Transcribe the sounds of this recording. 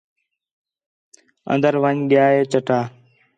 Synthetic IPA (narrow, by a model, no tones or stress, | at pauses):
ə̰̃nd̪əɾʋəɲɠɪjaːeːt͡ʃəʈaː